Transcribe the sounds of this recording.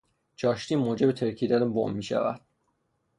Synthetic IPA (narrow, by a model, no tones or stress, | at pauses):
d͡ʒɒːʃt̪iːmoːd͡ʒe̞bet̪ʰeɾcʰiːd̪ænbo̰mːiːʃæ̰væ̰d̪̥